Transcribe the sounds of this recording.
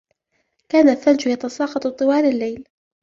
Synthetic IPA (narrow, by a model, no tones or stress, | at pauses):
kaːnaθːald͡ʒʊjat̪ɑsɑːqɑt̪ˤt̪ˤːɨwɑːlalːajl